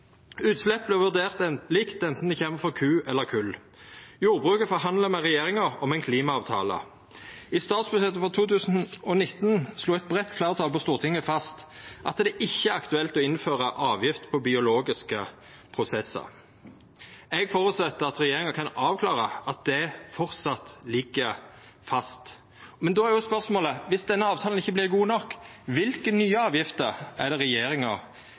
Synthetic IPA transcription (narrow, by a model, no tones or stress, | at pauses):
ʉːt̪slɛp̚ːblɛʋʉʁd̪eːʁt̪ɛliːkt̪ɛnt̪n̩d̪ɪçeːməfɔʁkʰʉːɛlːəʁkʰʉl | juːʁbʁʉːkəfɔɦɑnd̪ləmɛʁɛjeːʁɪŋəʁɔ̰mɛnkʰliːmɑɑːʋt̪ʰɑ̰ːlə̰ | ist̪ɑːt̪sbʉɛt̪ːəfɔʁt̪ʰuːt̪ʰʉːsn̩ɔnɪt̪n̩sluːɛt̪̚bʁɛt̪ːflæʁt̪ʰɑːlpʰɔst̪uːʁt̪ʰɪŋːəfɑst̪ʔɑt̪d̪ɛʔɪçːəæɾɑkt̪ʉɛlt̪ɔɪnføːʁəʔɑːʋjɪft̪pʰɔbɪʊloːɡɪskə | pʰʁʊsɛsːə̰ | ɛɡfɔːɾʉt̪sɛt̪ːəɑt̪ʁɛjeːɾɪŋəkʰɑnɑːʋkʰlɑːʁəʔɑt̪̚d̪ɛfɔʁt̪sɑt̪lɪɡəɾ | fɑst̪ | mɛnd̪ɔːæɾjʊspœʁsmoːləʋɪsd̪ɛnːəɑːʋt̪ʰɑːlənɪçːəblɪʁɡuːnɔkːʋɪlkənyːəɑːʋjɪft̪əʁæd̪ɛʁɛjeːɾɪŋəʁ